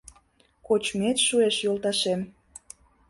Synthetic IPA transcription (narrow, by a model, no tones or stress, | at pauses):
kot͡ɕmet̪ʃueʃjolˠt̪ɑʃem